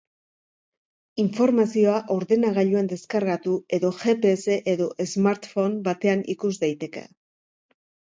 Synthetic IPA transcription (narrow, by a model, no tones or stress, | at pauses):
iɱfo̞ɾmasio̞aʔo̞ɾðe̞naɣaʎuend̪e̞skaɾɣat̪ue̞ðo̞ʝe̞pe̞ːse̞ʔeðo̞ʔezmaɾt̪fo̞nbat̪e̞anḭkuzd̪ajt̪e̞ke̞̰